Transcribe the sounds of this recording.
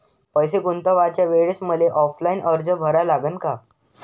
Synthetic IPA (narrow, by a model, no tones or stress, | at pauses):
pəjsekunt̪əʋat͡ɕjaʋeɽsməleʔɔflainʔəɾd͡zəbʱəɾalaɡənka